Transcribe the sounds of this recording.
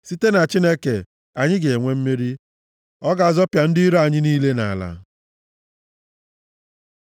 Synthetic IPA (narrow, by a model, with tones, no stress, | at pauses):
si˦te˦na˨t͡ʃi˦ne˦ke˨ | a˨ɲɪ˦ɡe˨e˨ŋʷe˦m̩˦me˦ɾi˦ | ɔ˦ɡa˨a˨zɔ˦pja˨n̩˦di˦ɾo˦a˨ɲɪ˦niː˦le˦na̰˨la̰˨